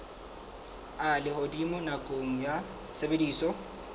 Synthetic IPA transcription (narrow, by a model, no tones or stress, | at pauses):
alɪhodimʊnakʼoŋ̩ja | sebediːsɔ